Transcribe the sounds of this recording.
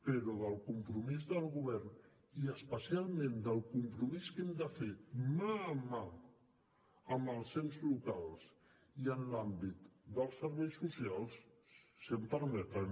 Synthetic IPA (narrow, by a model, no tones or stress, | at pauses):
pəɾɔðəlˠkumpɾumizðəlˠɣuβ̞ɛɾn | iəspəsialˠmẽnd̪əlˠkumpɾumiskɛmd̪əfemaːma | əmbəlˠsemzlukalˠs | iənlambit̪d̪əlˠsːəɾβɛjsːusialˠs | sempəɾmɛt̪ɾə